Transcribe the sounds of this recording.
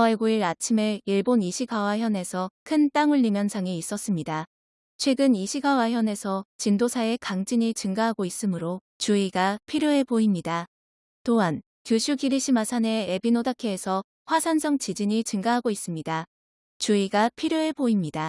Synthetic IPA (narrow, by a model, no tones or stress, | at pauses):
eɡuiɾat͡ɕʰimeiɭboniɕʰiɡawaçjʌne̞sʰʌkʰɯnt͈aŋɯɭːimjʌnsʰaŋeis͈ʌs͈ɯmɲida | t͡ɕʰwe̞ɡɯniɕʰiɡawaçjʌne̞sʰʌt͡ɕindosʰae̞kaŋd͡ʑiɲit͡ɕɯŋɡaɦaɡois͈ɯmɯɾo | t͡ɕuiɡapʰiɾjoepoimɲida | toɦan | kjuɕʰuɡiɾiɕʰimasʰane̞ebinodakʰeːsʰʌ | ɸwasʰansʰʌŋt͡ɕid͡ʑiɲit͡ɕɯŋɡaɦaɡois͈ɯmɲida | t͡ɕuiɡapʰiɾjoe̞poimɲida